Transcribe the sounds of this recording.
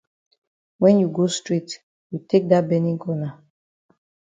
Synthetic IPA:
wɛ̃˦nju˨ɡo˦stɹi˦t | ju˨te˦k̚da˦bɛ˦nĩ˦kɔ˦na˨

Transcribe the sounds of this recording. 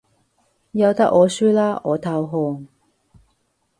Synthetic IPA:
jɐ˧wt̪ɐ˥k̚ɔː˨˧syː˥laː˥ɔː˨˧t̪ʰɐ˧wɦɔː˧ŋ

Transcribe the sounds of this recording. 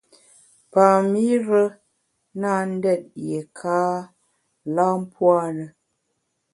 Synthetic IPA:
pa˨mi˦ɾə˦ | na˦n̩˦dɛ˦˨t̚je˨kʰaː˦ | la˦m˦pwa˦nə˨

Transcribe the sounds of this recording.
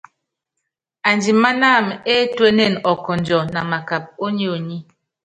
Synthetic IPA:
a˨nd͡ʒi˨ma˦na˦˨me˦twe˦ne˦˨nɔ˨kɔ˨n˨d͡ʒɔ˨na˨ma˨ka˨p̚o˦ɲi˦o˨ɲi˦

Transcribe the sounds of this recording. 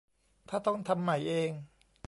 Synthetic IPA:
t̪ʰaː˥˩t̪ɔ˥˩ŋt̪ʰa˧mːa˨˩jʔeː˧ŋ

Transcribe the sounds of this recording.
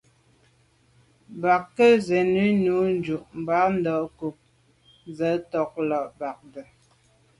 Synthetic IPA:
ba˨kːə˦zɛ˨nʉ˦nu˨˦n̩˦d͡ʒu˨ʔm̩˨ba˨˦n̩˦dɔ˨ʔku˨p̚ | zə˨˦tɔ˨k̚lɔ˨ʔba˨k̚də˨

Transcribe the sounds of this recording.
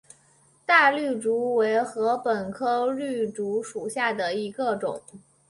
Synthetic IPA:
t̪a˥˧ly˥˩ʈ͡ʂu˧˥we˧˥ɪxɤ˧˥pə˨˩nkʰɤ˥ly˥˩ʈ͡ʂu˧˥ʂu˨˩ɕja˥˩d̪ə˩i˧˥ɡə˧ʈ͡ʂʊ̰˨˩˦ŋ

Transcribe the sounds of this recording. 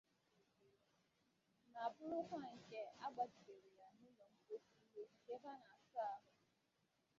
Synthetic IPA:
na˨a˨bʊ˦ɾʊ˦kʷa˦˨ŋ̩˨ke˦a˦ɡ͡ba˨di˨be˨ɾi˨ja˨nʊ˦lɔ˨m̩˦bo˦si˦i˦ɦe˦ŋ̩˨ke˦ba˦na˨sa˦a˦ɦʊ˨

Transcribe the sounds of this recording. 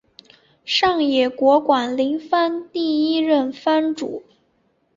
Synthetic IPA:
ʂɑ˥˩ŋjɛ˨˩kwɔ˧˥kwa˨˩nli˧˥ŋfa˥nt̪i˥˩i˥ɻə˥˩nfa˥nʈ͡ʂṵ˨˩˦

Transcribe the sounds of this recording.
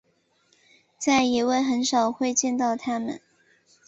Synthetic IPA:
t͡sa˥˩ɪi˧˨˥we˥˩ɪxə˧˥nʂɑ˨˩ʊxwe˥˧ɪt͡ɕjɛ˥˧nt̪ɑ˥˩ʊt̪ʰa˥mə̰˨n

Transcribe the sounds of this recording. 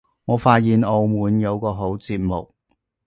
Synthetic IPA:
ŋɔː˨˧faː˧t̚jiː˨noː˨˧wmuː˨˥njɐ˨˧wkɔː˧ɦo˨˥wt͡siː˧p̚mo̰˨k̚

